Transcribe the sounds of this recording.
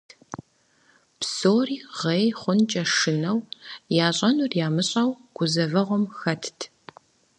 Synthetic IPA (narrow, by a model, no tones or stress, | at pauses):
psoːriːʁejχʷʊnt͡ʃʼɐʂɨnɐwjaːɕʼɐnʊrjaːmɨɕʼɐwɡ̥ʷʊzɐvɐʁʷɔmxɐtʰtʰ